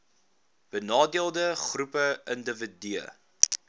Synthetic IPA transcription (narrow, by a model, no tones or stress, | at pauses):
b̥ənɑːdiəlˠdəχrupəʔəndəvədiə̰